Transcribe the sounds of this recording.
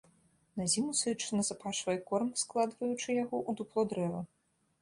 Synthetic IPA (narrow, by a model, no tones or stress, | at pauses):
nazʲimusɨt͡ʂɨnɐzapaʂvɐjɛkɔrmsklˠad̪vɐjut͡ʂɨjaɣɔʔud̪uplˠɔd̪ɾɛvɐ